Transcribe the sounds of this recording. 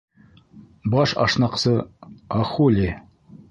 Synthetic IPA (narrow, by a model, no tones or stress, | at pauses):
bɑʃɑ̰ʃnɑqsɤɑχulʲi